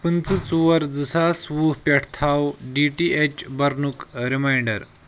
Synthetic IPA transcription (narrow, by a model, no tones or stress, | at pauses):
pənt͡sɨt͡suʋəɾd͡zəsasʋuɦpʲɛʈʰt̪ʰawɖiʈiʔet͡ɕbɐɾnukɾimajɳɖəɾ